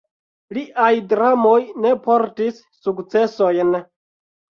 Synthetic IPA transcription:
liʔajdɾamo̞jne̞po̞ɾtisːukt͡se̞so̞jn

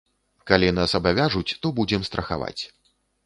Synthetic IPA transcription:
kalʲinasɐbavʲaʐut͡sʲt̪ɔbud͡zʲɛmst̪ɾʔɐxa̰va̰t͡sʲ

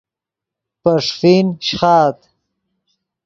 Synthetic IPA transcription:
pəʂfinɕχɑːt̪

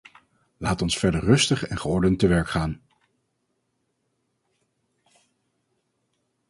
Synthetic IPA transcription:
laːtɔnsfɛɹdəɹrɵstəχɛnχəɔɹdəntəʋɛɹkχaːn

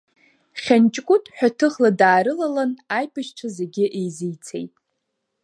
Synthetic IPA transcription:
χʲant͡ʃʼkʷʼʊtʼħᶣatʰɨʁladaːɾɨlalanajpʰɨʃʈ͡ʂʷʰazeɡʲɪʔejzijt͡sʰḛjtʼ

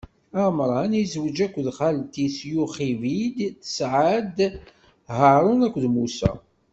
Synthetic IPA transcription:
æmɾˤɑnizwəd͡ʒækʷːðχalt̪isjuχivid̪θə̥sʕad̪ | ɦəɾˤʊnækʷːðmusæ̰

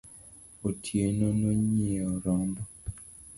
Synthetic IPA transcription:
otʰjenonoɲeoɾɔmbɔ

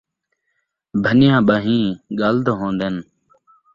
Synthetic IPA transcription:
bʱənɪjãːɓaːɦĩːɠaːld̪ʱɦõːnd̪eːn

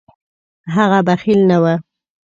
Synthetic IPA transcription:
ɦaɣabaxilnawa

